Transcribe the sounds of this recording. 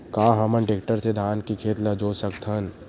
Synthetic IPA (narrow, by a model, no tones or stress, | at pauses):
kaːɦɐmə̃nʈek̚ʈəɾsed̪ʱaːnkikʰeːt̪lɐd͡ʒoːsəkt̪ʰən